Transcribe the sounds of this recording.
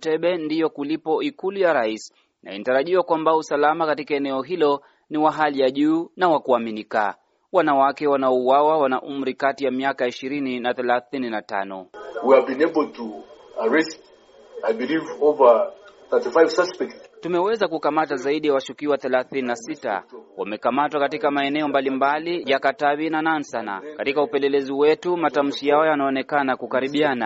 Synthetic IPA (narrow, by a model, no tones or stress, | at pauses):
tɛɓɛndijɔkulipɔikulujaɾais | nʔa̰inataɾaʄiwakwambausalamakatikaɛnɛɔɦilɔ | niwaɦalijaʄuːnawakuaminika̰ | wanawakɛwanaɔuwawawanaʔum̩ɾikatijamiakaiʃiɾininaθɛlaθininata̰nɔ̰wiavbĩnebəl̩tʰuaɹɛst | ajbilivovəθətifajv̥saspɛk̚ttumɛwɛzakukamatazaiɗijawaʃukiwaθɛlaθininasita̰wamɛkamatwakatikamaɛnɛɔmbalimbalijakatavinanansana̰katikaupɛlɛlɛziwɛtumatam̩ʃijaɔjanaɔnɛkanakukaɾiɓiana